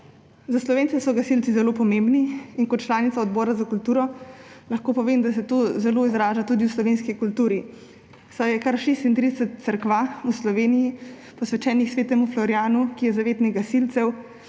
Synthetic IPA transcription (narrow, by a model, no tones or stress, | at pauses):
zaslɔʋeːnsɛsɔɡasilt̪sizɛloːpɔmembniːnkɔt̪t͡ʃlaːnit̪saɔd̪bɔːɾazakult̪uːɾɔlaxkoːpɔʋeːmd̪asɛt̪oːzɛloːizɾaːʒat̪uːd̪iwslɔʋeːnskikult̪uːɾi | sajɛkaɾʃeːst̪int̪ɾid̪ɛsɛt̪̚səɾkʋauslɔʋeːniji | pɔsʋɛt͡ʃɛːnixsʋeːt̪ɛmuflɔɾjaːnukijɛzaʋeːt̪niɡasilt̪sɛw